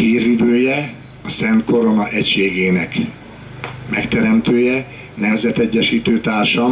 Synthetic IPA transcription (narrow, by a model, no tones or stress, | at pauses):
hiːrvid̪øːjɛ | ɒsɛnt̪ko̞ɾo̞nɒʔɛcʃeːɡeːnɛk | mɛkt̪ɛɾɛmt̪øːjɛ | nɛmzɛt̪ɛɟːɛʃiːt̪øːt̪aːrʃɒ